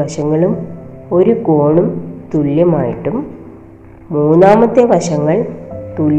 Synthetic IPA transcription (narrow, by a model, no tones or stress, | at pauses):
ɐʂɐŋːɐɭum | o̞ɾukoːɳumt̪uɭjɐmaːjiʈːumː | uːnːaːmɐt̪ːeʋɐʂɐŋːɐɭt̪ul